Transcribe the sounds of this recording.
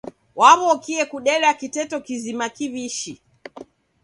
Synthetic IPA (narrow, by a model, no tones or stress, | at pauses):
waβɔkiɛkuɗɛlakitɛtɔkizimakiβiʃi